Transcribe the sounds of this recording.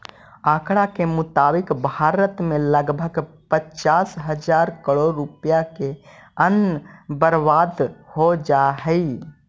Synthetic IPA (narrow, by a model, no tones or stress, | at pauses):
aːkɽakemʊt̪aːbɪkbʱaːɾət̪mẽləɡbʱəɡ | pət͡ʃaːsɦəd͡ʒaːɾkəɽoɾupjakeənbəɾʋaːd̪hod͡ʒaɦɛi